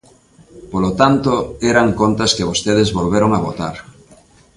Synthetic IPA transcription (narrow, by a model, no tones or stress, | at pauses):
polot̪ant̪oɛɾaŋkont̪ɐskɪβost̪eðɪzβolβeɾoŋaβot̪a̰ɾ